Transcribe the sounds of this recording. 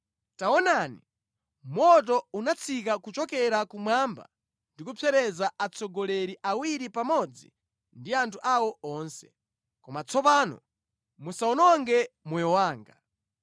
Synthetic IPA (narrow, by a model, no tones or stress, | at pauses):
taɔnani | mwɔt̬ɔunat͡sʰikakut͡ʃɔkɛɾakumwamba̰ | ndikupʰɛɾɛzaat͡sʰɔɡɔlɛɾiʔawiɾipamɔd͡zḭ | ndiantʰuʔawɔɔːnsɛ | kɔmat͡sʰɔpaːnɔ̰ | musaunɔŋɡɛmɔjɔwaːŋɡa